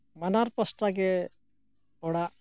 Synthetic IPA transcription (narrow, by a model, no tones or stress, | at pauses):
manaɾpɔst̪ɾaɡɛ | ɔɽaʔ